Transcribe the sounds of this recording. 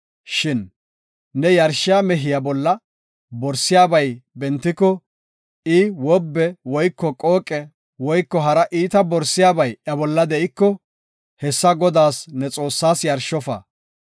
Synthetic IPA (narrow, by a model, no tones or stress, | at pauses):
ʃɪnː | ɛjɐɾʃɪjaːmɛɦɪjabɔlːɐ | bɔɾsːɪjaːbɐjbɛnt̪ːɪkːɔ | ʔɪwɔbːɛwɔjkːɔkʼoːkʼɛ | wɔjkːɔɦɐɾɐʔiːt̪ɐbɔɾsːɪjaːbɐjɐbɔlːɐd̪ɛʔɪkːɔ | hɛsːɐɡɔd̪aːsnɛt͡sʼo̞ːsːaːsjɐɾʃɔfɐ̰